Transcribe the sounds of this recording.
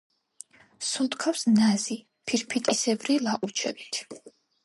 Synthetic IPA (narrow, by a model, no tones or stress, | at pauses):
sulˠt̪ʰʼkʰafsnazi | pʰiɾpʰit̪ʼisɛbɾilaqʼut͡ʃʰɛ̰bit̪ʰ